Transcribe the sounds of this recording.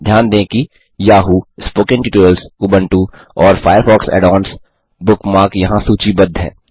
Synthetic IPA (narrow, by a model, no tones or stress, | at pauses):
d̪ʱjaːnd̪ẽːki | jaːɦuspoːkɪ̃nʈiuːʈuɾəlsʊbə̃ɳʈu | ɔːɾfʰaːɪjəɾfɔːksɛ̰ːɖɔːns | bʊkmaːkjɐɦãsuːt͡ʃibɐd̪ʱɦɛ̰ː